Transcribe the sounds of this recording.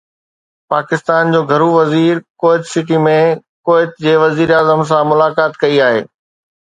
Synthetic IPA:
paːkɪst̪aːnd͡ʑoːɡʱɐɾuʋɐziːɾkoːɪt̪sɪʈimẽkoːɪt̪d͡ʑeːʋɐziːɾaːzəms̬ãmʊlaːkaːt̪kɐiaːɦḛː

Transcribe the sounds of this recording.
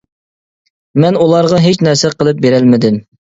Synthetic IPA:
mɛnulˠɑɾʁɑɦet͡ʃnɛɾsɛqəlˠɨp̚beɾɛlmɪd̪ɪm

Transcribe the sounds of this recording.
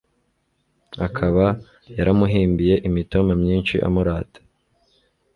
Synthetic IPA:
akʰaβa | jaɾamuɦiːmbije̞ʔimitomamɲiːnt͡ʃiʔa̰muɾaːtḁ

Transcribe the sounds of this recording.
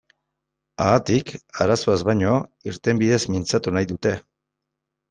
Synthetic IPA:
aːt̪ikaɾaso̞azβajɲo̞iɾt̪e̞mbiðe̞zmint͡sat̪unajðut̪e̞

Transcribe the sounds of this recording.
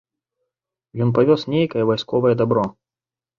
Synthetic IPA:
jɔnp̬avʲɔsnʲejkɐjɛvajskɔvɐjɐd̪abɾɔ

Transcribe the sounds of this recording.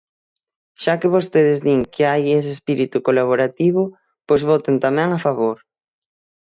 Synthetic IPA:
ʃakɪβost̪eðɪzðiŋkʰɪajes̬ɪespiɾit̪ukolaβ̞oɾat̪iβ̞ʊ | pojzβɔt̪ent̪amɛ̃ŋafaβoɾ

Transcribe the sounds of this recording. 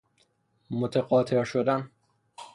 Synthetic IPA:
mot̪ʰeɣɒːt̪ʰeɾʃod̪æn

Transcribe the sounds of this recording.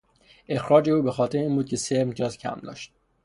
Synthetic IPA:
ʔe̞xɾɒːd͡ʒe̞uːbe̞xɒːt̪ʰeɾiːnbuːd̪̚cʲʰe̞seɾmd͡ʒɒːzcʰæ̰md̪ɒ̰ːʃt̪̚

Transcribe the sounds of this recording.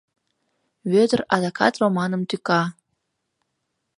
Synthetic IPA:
βød̪ə̆rɑd̪ɑkɑ̰t̪romɑnə̆mt̪ykɑ

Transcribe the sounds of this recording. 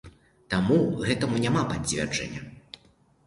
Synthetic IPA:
t̪amuɣɛt̪ɐmunʲamapad͡zʲvʲɛ̰rd͡ʐɐ̰nʲːɐ̰

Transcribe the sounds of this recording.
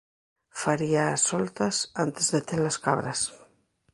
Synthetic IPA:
faɾiasolt̪asant̪ezðet̪elaska̰β̞ɾas

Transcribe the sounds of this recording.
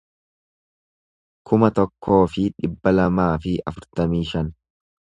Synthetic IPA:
kʰʊmɐt̪ɔkʰːo̞ːfɪᶑɪbːɐlɐmaːfɪʔɐ̰fʊɾt̪ɐmiːʃɐn

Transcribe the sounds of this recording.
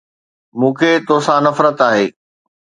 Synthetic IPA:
mũːkʰeːt̪osãnɐfɾət̪aːɦeː

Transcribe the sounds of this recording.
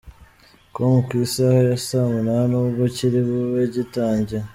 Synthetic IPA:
komukisahojasamunanuβociɾiβuβeɟitaːɲɟe

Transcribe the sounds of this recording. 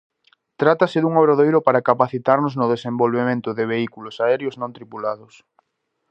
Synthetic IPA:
t̪ɾat̪asɪðuŋoβɾoðejɾʊpaɾakapaθit̪aɾnʊznʊðesẽmbolβemẽnt̪ʊðɪβ̞eikulʊsaɛɾjoznõnt̪ɾipulaðʊs

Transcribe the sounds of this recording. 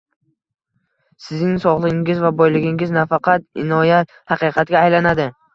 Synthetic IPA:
sɪznɪŋsɒʁlˠɪɪŋɪzvabɒjlɪɡʲɪŋɪznafɑqʰɑt̪ɪnɒjat̪ | hɑqɨqʰɑt̪ɡʲaːjlanad̪ɪ

